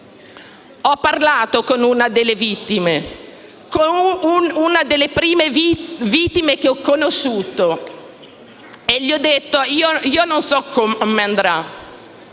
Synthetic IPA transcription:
ɔpːarlaːt̪okonunad̪elːevit̪ːime | ko | unad̪elːepɾiːmevit̪ːimek̟eɔkːonoʃːuːt̪o | eʎːiɔd̪ːet̪ːoioiːononsɔkʰːommeand̪ɾa

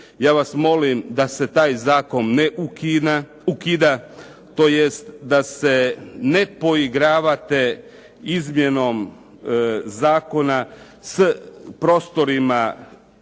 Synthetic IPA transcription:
jaːʋasmo̞limd̪ase̞t̪aːjzaːko̞nːeʔukia | ukid̪a | t̪o̞ːjest̪d̪ase̞ne̞po̞iɡɾaːʋat̪e̞ | izmje̞no̞m | zaːko̞na | spɾo̞ːst̪o̞ɾima

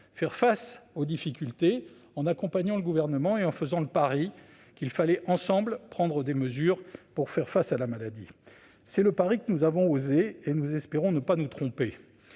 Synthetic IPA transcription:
fɛʁfasod̪ifikʲylt̪e | ɑ̃nakɔ̃paɲɑ̃ləɡuvɛʁnəmɑ̃eɑ̃fəzɑ̃ləpaʁi | kilfalɛʔɑ̃sɑ̃blpχɑ̃d̪ʁəd̪eməzyːʁpuʁfɛʁfasalamalad̪ḭ | sɛləpaʁikənuzavɔ̃ozeenuzɛspeʁɔ̃nəpanut̪χɔ̃pe

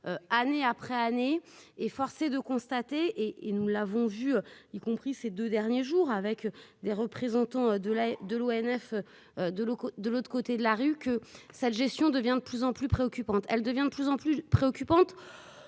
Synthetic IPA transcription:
øaneapχɛaneːfɔʁsed̪əkɔ̃st̪at̪eʔeʔenulːavɔ̃vyøikɔ̃pχised̪ød̪ɛʁnjeʒuːʁavɛkd̪eʁəpχezɑ̃t̪ɑ̃ød̪əlad̪əloɛnɛfø | d̪əokd̪əlot̪χəkot̪ed̪əlaʁykəsɛt̪ʒɛst̪jɔ̃d̪əvjɛ̃d̪əplyzɑ̃plypχeɔkʲypɑ̃t̪ɛld̪əvjɛ̃d̪əplyzɑ̃plypχeɔkʲypɑ̃t̪

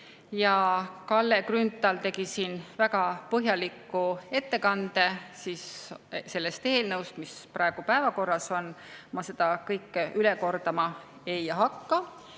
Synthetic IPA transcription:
jɑkɑlːekrynt̪ːˑɑlt̪e̞ɡ̥isiːnvæɡ̥ɑpɤɦjɑlikːˑue̞t̪ːe̞kɑnd̪̥e̞sisse̞lːe̞st̪e̞ːlnɤwst̪misprɑeɡ̥upæevɑko̞rːɑso̞nmɑse̞d̪̥ɑkɤjkːˑyleko̞rd̪̥ɑmɑ | ejɑɦɑkːɑ

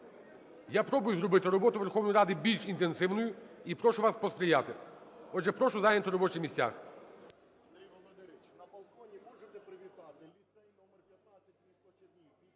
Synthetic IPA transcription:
japɾɔbʊjʊzɾɔbɪt̪ɪɾɔbɔt̪ʊʋerxɔwnɔjiɾɑd̪ɪbʲilʲʃint̪ensɪwnʊjʊipɾɔʃʊʋaspɔspɾʲɪjat̪ɪɔʒɛpɾɔʃʊzajnʲɐt̪ʊɾɔbɔt͡ʃɪxmʲisʲtʲa̰x

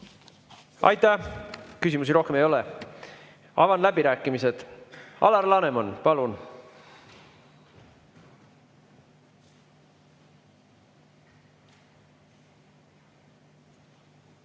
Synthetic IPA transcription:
ɑ̰jt̪ːˑækysimus̬iɾo̞hkemejo̞lɛ | ɑ̰vɑnlæbiɾæːkːˑimise̞d̪̥ɑ̰lɑrlɑnemonpɑlun

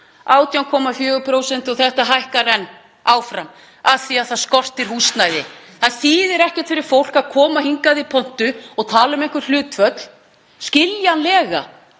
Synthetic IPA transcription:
ʔaːwt̪jawŋkʰɔmafjœːɣʏpʰɾoːwsɛn̥t̪ɔθɛht̪aɦajhkaɾɛnː | aːwfɾam | aðθiaðθaðskɔr̥t̪ɪɾ̥hust̪najðɪ | θaðsiːðɪɾɛhcɛɾt̪fɪɾɪɾ̥fowl̥kaðkʰɔːmahiŋkaðɪipʰɔn̥t̪ʏɔɣt̪ʰaːlʏmejŋkʏɾ̥l̥ʏːt̪fœt̪l̥ | scɪljanlɛːɣa̰

